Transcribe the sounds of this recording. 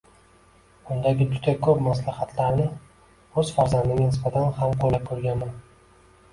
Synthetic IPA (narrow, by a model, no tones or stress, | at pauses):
bʊnd̪aɡʲɪd͡ʒʊd̪akʰɵpmas̬lahat̪ʰlaɾnɪ | ɵz̥faɾzand̪ɪɡʲanɪspat̪ʰanhamqʰolap̚kʰɵɾɡʲanman